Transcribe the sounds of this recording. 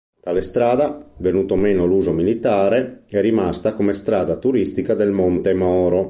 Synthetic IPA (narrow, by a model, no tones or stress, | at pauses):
t̪alest̪ɾaːd̪avenuːt̪omeːnoluːzomilit̪aːɾeɛrimast̪akomest̪ɾaːd̪at̪uɾist̪ikad̪elmont̪emɔːɾo